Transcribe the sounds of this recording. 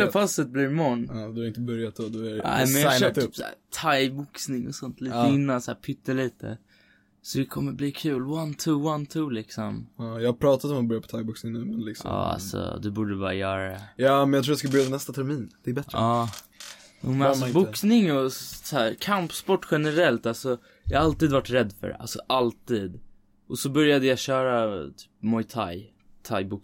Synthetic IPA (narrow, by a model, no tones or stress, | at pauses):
ɛfalsət̪̚blɪɾmɔnːd̪ɵhaɾɪnt̪əbɵɾjat̪̚d̪ɔd̪ɔæɾna̰ɪmɛnjaaøat̪psæ̰ːt̪ʰajbʊksnɪŋɔsɔnt̪ʰliːt̪əɪnːansæːɾpʰʏt̪ːəɭiːt̪ʰə̰ | sɔd̪ɛkʰɔmːəɾbliːkʰʉ̟ːlwant̪ʰuwant̪ʰulɪksɔmːjɑhapʰɾɑːt̪at̪ɔmat̪bœɾjapɔ̥t̪ʰajbʊksnɪŋnʉ̟ːmɛnlɪksɔ̰ɑ̰ːa̰sɔ̰d̪ɛbuːɖəbɑ̰ːɾa̰jœːɾadɛjɑːmɛnjat̪ʰɾuːjaskalbœɾjad̪ɛnɛst̪at̪ʰɛɾmiːnd̪̥ɛːɾbɛt̪ɾɾɑː | juːmɛnasɔbʊksnɪŋɔsæːɾkʰampspɔʈːɧɛnəɾɛlt̪alsɔ | jɑhaalt̪iːd̪vaʈɾɛd̪ːfœ̰ɖɛ̰ʔa̰lsɔʔalt̪iːd̪ | ʔɔsɔbœɾjad̪əjaɕœːɾat̪ʰy̥ːpmɔjt̪ʰa̰j | t̪ʰajbʊk